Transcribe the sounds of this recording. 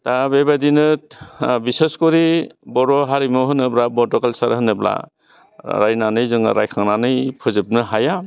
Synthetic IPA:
tabebadinɯt̚biseskɔɾibɔɾɔɦaɾimɔɦɯnɯblabɔtɔkalsaɾɦɯnɯbla̰ | ɾajnanɯjzɯŋɾajkʰaŋnanɯjpʰɯzɯp̚nɯɦaja

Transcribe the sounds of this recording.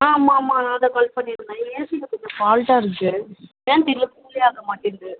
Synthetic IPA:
aːmːaːmːaːnãːɐnd̪ɐkɐlpɐɳːiɾɯnd̪aːeːsɪlːɐkɔɲd͡ʒɐ̃paːlʈaːɪɾɯkːɯʋeːnt̪ɛɾɪjɐkuːlɛjaːkɐmaːʈːɪndɯ

